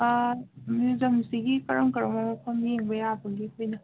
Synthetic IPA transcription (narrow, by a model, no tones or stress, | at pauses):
mjuzɐmsiɡikɐɾɐŋkɐɾɐmamɐpʰambieŋbɐjabɐɡikʰojnɐ